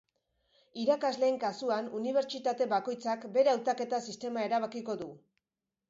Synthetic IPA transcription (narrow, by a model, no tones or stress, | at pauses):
iɾakazle̞ːŋkasuanuniβ̞eɾt͡ʃit̪at̪e̞βako̞jt͡sakbe̞ɾawt̪ake̞t̪asist̪e̞mae̞ɾaβ̞akiko̞ðu